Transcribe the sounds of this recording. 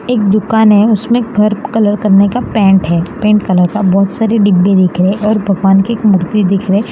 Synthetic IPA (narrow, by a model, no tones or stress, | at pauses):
eːk̚d̪ʊkaːnɦɛʊsmẽɡʱɐɾkɐləɾkɐɾnekapɛ̃ːɳʈɦɛːpẽːɳʈ̚kɐləɾkabɔːt̪saːɾeɖɪbːed̪eːkʰɾeeʔɔːɾbʱɐɡʋaːnkieːkmʊɾt̪id̪ɪkʰɾe